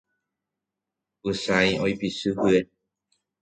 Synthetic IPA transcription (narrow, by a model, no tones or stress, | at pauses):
ɨsãjojpisɨhɨe